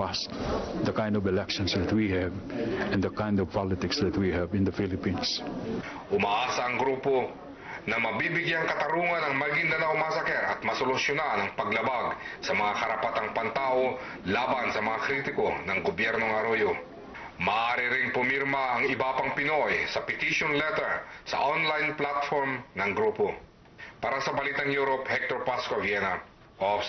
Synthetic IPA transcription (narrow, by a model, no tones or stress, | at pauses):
ast̪d̪ɐkãj̃nd̪ɔvɛlɛkʃɔ̃nsd̪ɐt̪̚wihɛvɛ̃nd̪ɐkãjnd̪ɔvpalɪt̪ɪksðɐt̪wihɛvɪ̃nd̪ɐfɪlɪpĩns | ʔʊmaʔaːsɐɐŋɡɾuːpo̞ | nɐmɐbibɪɡjaŋkɐt̪ɐɾuːŋɐnɐŋmɐɡind̪ɐnɐʔʊmasɐkɛɾɐ̰t̪̚mɐsolʊsjonanɐŋpɐɡlɐbaɡsɐmɐŋakɐɾɐpɐt̪aŋpant̪aːʔo̞ | laːbansɐmɐŋakɾit̪ɪko̞nɐŋɡobjɛɾno̞ŋɐɾojo | mɐʔaːɾɪɾɪŋpʊmiɾmɐʔɐŋɪbapɐŋpɪnojsɐpɪt̪iʃonlɛt̪ɛɹsɐ̰ʔonlajnplat̪foɹmnɐŋɡɾuːpo | paːɾasɐbɐliːt̪ɐŋjuːɾophɛk̚t̪oɹpaskovjɛnɐ | ʔof